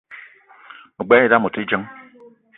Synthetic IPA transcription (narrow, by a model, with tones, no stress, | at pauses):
mu˨ɡ͡be˦i˦da˦mu˨ti˦d͡ʒə˦ŋ